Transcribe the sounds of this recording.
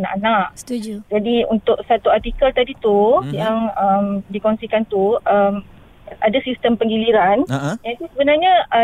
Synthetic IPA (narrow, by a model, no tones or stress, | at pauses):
na̰ʔanaʔt̪uud͡ʒadiṵnt̪ʊʔ̚sat̪uart̪ikəlt̪adit̪ujaŋəmdikonsikant̪uəm | ʔadasist̪əmpəŋɡiliɾanasisəbənarɲaə